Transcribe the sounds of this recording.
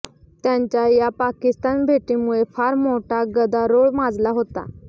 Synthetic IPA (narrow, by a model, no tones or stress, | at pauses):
t̪jaɲt͡ɕjajapakist̪anbʱeʈ̪iːmuɭefaɾmoʈaɡəd̪aɾoɭmad͡zlaɦot̪a̰